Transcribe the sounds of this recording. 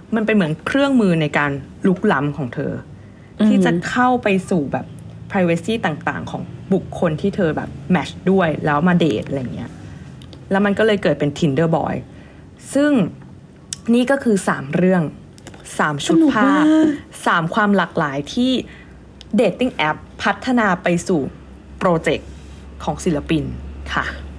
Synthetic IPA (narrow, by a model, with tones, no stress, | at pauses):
ma˧npa˧nmɯ˩˦ənkʰɾɯ˥˩əŋmɯː˧na˧jkaː˧n | lu˦˥k̚la˦˥mkʰɔː˩˦ŋt̪ʰɤ̰ː˧ | t̪ʰiː˥˩t͡ɕa˨˩kʰa˥˩wpa˧jsuː˨˩bɛ̰ː˨˩pːʰɾaː˧jweː˧˥siː˥˩t̪aː˨˩ŋt̪a̰ː˨˩ŋkʰɔː˩˦ŋbu˨˩kʰːo˧nt̪ʰiː˥˩t̪ʰɤː˧bɛ̰ː˨˩p̚mɛ˦˥t͡ɕdu˥˩əjlɛː˦˥wmaː˧dḛː˨˩t̪̚ʔa˧jːŋːi˦˥ɐʔ | lɛː˦˥wma˧nkɔ˥˩lɤː˧jkɤː˨˩t̪̚pe˧nt̪ʰi˧ndɤː˧˩bɔ̰ː˧j | sɯ˥˩ŋ | niː˥˩kɔː˥˩kʰɯː˧saː˩˦mɾɯ˥˩əŋ | saː˩˦mt͡ɕʰu˦t̚pʰaː˥˩ | saː˩˦mkʰwaː˧mlaː˨˩k̚laː˩˦jt̪ʰiː˥˩ | deː˨˩t̪ːi˥˩ŋʔɛ˦˥pʰːa˦˥t̪ʰːa˧naː˧pa˧jsuː˨˩ | pɾoː˧t͡ɕe˨˩kʰː | ɔː˩˦ŋsi˨˩˦la˧pi˧nkʰa̰˥˩